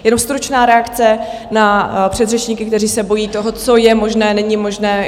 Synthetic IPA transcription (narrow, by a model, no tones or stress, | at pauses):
jɛno̞mst̪ɾut͡ʃnaːɾɛakt͡sɛ | napr̥ɛd̪rɛt͡ʃɲiːkɪkt̪ɛriːsɛbo̞jiːt̪oɦo̞t͡so̞jɛmo̞ʒnɛːnɛɲɪmo̞ʒnɛː